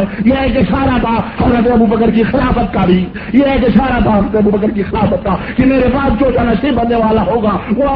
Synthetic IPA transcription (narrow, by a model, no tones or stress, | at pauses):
jeɦɛk̬eʃaːɾat̪ʰahɐmɾət̪̬eɐbubəkəɾkixɪlaːfət̪̚kaːɾiː | jeɦɛk̬eʃaːɾat̪ʰaɦmət̪eɐbubəkəɾkixɪlaːfət̪̚kaːkimeːɾebaːt̪̚d͡ʒoːd͡ʒaːnaʃebɐnnːeʋaːlaɦoːɡaːʋo